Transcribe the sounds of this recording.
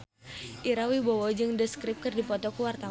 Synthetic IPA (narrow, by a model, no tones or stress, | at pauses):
ʔiɾawibɔwɔd͡ʒɨŋdəskɾɪp̚kɨrdipɔt̪ɔkuwart̪a